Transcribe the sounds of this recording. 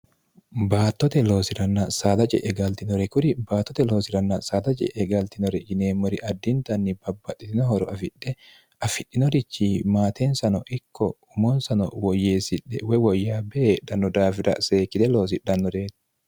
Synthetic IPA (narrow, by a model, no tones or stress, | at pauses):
baːt̪ːɔt̪ɛlo̞ːsɪɾɐnːɐsaːd̪ɐt͡ʃʼɛ̰ʔɛɡɐlt̪ɪnɔɾɛkʊɾɪbaːt̪ːɔt̪ɛlo̞ːsɪɾɐnːɐsaːd̪ɐt͡ʃʼɛ̰ʔɛɡɐlt̪ɪnɔɾɛd͡ʒɪneːmːɔɾɪʔɐd̪ːɪnt̪ɐnːɪbɐbːɐt̪ʼːɪt̪ɪnɔhɔɾɔʔɐfɪᶑːɛ | ɐfɪᶑːɪnɔɾɪt͡ʃːimaːt̪ʰɛnsɐnɔʔɪkʰːɔʊmɔnsɐnɔ̰wɔjːeːsɪᶑːɛwɛwɔjːaːbɛʔeːᶑɐnɔd̪aːfɪɾɐ̰ʔseːkːɪt̪ɛlo̞ːs̬ɪɗːɐnːɔɾeːt̪